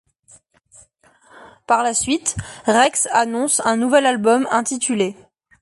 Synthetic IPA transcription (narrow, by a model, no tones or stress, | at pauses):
paʁlasɥit̪ʁɛksanɔ̃sɛ̃nuvɛlalbɔmɛ̃t̪it̪yle